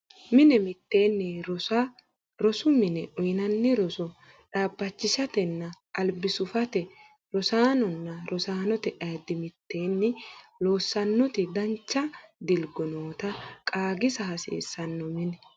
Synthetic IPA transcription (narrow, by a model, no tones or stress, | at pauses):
mɪnɛmɪt̪ːeːnːɛɾɔɐ | ɾɔsʊmɪnɛʔɔjnɐnːɪɾɔsɔ | ᶑaːbːɐt͡ʃːɪʃɐt̪ɛnːɐʔːlbɪsʊfɐt̪ɛ | ɾɔsaːnɔnːɐɾʔɔsaːnɔt̪ɛʔɐd̪ːɪmɪt̪ːe̞ːnːɪloːsːɐnːɔt̪ɪd̪ɐnt͡ʃːɐd̪ɪlɡɔnoːt̪ɐkʼaːɡɪsɐɦɐsḛːsːɐnːɔmɪnɛ